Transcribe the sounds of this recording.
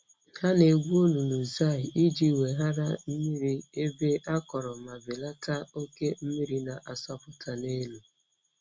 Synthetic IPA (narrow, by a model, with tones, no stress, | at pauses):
ha˦ne˨ɡʷu˦o˦lu˨nu˨za˦˨ɪ˨i˦d͡ʒi˦˨we˨ɦa˦ɾa˦m̩˦mi˦ɾi˦e˦be˦ʔa˦kɔ˨ɾɔ˨ma˨bɪ˨la˦ta˦o˦ke˦m̩˦mi˦ɾi˦na˨ʔa˨sɔ˦pʊ˦tʰa˨ne˦lu˨